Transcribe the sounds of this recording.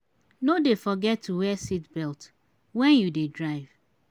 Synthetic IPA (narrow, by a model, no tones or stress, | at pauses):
nodefɔɡɛtʰːuwɛsitbɛlt | wɛ̃njudedɹaɪv̥